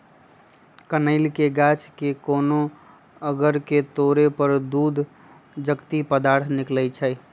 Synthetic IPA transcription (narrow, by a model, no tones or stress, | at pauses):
kənəɪlkeɡaːt͡ʃkekoːno | əɡəɾket̪oːɾepəɾd̪uːd̪ʱ | d͡ʒəkt̪ipəd̪aːɾt̪ʰnɪklət͡ʃʰɛ